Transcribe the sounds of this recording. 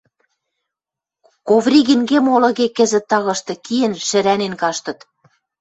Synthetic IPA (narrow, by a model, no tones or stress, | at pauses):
kovɾʲiɣinɡemolɤ̆ɣekɘ̆zɘ̆t̪ːɑɣɤ̆ʃt̪ɤ̆kiɘ̆nʃɘ̆ɾænenkɑʃt̪ɤ̆t̪